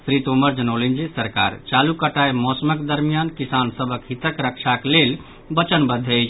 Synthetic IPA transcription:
sɾit̪oməɾd͡ʒənəwlind͡ʒesəɾka̰ɾt͡ʃalukəʈajmɔsəməkd̪əɾmijankisansəbʱəkɦit̪əkɾəkt͡ʃʰaklel | bət͡ʃənbəd̪ʱːe

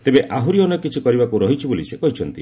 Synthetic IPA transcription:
t̪ebeʔaɦuɾiɔnɔkit͡ʃʰikɔɾibakuɾɔɦit͡ʃʰibolisekɔɦit͡ʃʰɔnt̪ḭ

